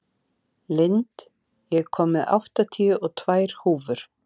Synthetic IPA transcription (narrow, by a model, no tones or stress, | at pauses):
lɪnt̪ | jɛɣkʰɔːmːɪða̰wht̪at̪ʰiʏʔɔɣt̪ʰvaːjɾ̥huːvʏɾ̥